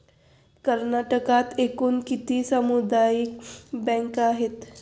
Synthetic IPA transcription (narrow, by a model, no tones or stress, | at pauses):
kəɾnaʈəkat̪ekuːnkit̪ʰiːsəmud̪ajikbɛ̃ŋkaɦet̪